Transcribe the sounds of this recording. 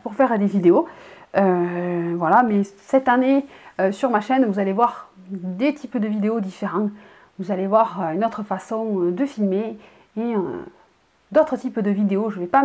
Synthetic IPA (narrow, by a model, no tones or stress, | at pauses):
puʁfɛʁd̪evid̪eoøvwalamɛsɛt̪aneøsyʁmaʃɛnvuzalevwaʁd̪et̪ʰipd̪əvid̪eod̪ifeʁɑ̃ | vuzalevwaʁøynot̪χəfasɔ̃d̪əfilmeː | d̪ot̪χət̪ipd̪əvid̪eoʒəvɛpa